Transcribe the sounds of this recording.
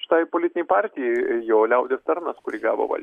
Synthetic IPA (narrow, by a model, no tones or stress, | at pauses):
ʃʲɪ̥t̪ɐɪpoːlʲɪt̪ʲɪnʲɛɪpɑːɾʲt̪ʲɪjɛɪjoːlʲɛʊd̪ʲeːst̪ɐrnɐskʊɾʲiːɡɑːʋo̰ːʋɐ̰lʲ